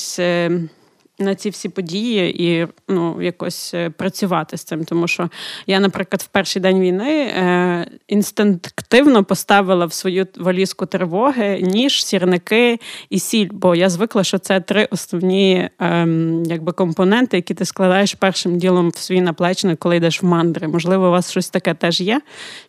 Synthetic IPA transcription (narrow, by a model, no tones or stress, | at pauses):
sʲ | nɐt͡sʲiwsʲipɔdʲijiinujɐkɔsʲpɾɐt͡sʲʊʋɑt̪ɪst̪sɪmt̪ɔmuʃt͡ʃɔjanɐpɾɪklˠɐd̪wpɛrʃɪjd̪ɛnʲʋʲijnɪ | inst̪ɪnt̪kt̪ɪwnɔpɔst̪ɑʋɪlˠɐwsʋɔjuʋɐlʲiskʊt̪ɾɪʋɔɦɪnʲiʒsʲirnɪkɪisʲilʲbɔjazʋɪklˠɐʃt͡ʃɔt̪sɛt̪ɾɪʔɔsnɔwnʲij | jɐɡ̚bɪkɔmpɔnɛnt̪ɪjɐkʲit̪ɪsklˠɐd̪ɑjeʃpɛrʃɪmdʲilˠɔmwsʋɔjinɐplˠɛt͡ʃɪnɪkɔlˠɪjd̪ɛʃwmɑnd̪ɾɪmɔʒlˠɪʋɔʋɑsʃt͡ʃɔsʲt̪ɐkɛt̪ɛʒjɛ